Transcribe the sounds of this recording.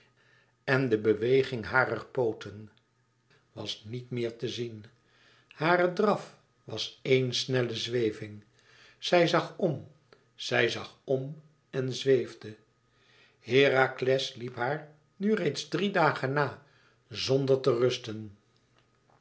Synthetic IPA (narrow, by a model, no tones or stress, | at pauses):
ɛndəbəʋejχɪŋɦaːrərpowtʰən | ʋɑ̰snitmɪːɹtəzin | haːrədrɑf | ʋɑsejnsnɛləzʋejvɪŋ | z̥ɛjzɑχɔm | z̥ɛjzɑχɔm | ɛnzʋejvdə | hɪːraklɛslipɦaːɹ | nyrejtzdridaːχənaː | zɔndəɹtərɵstən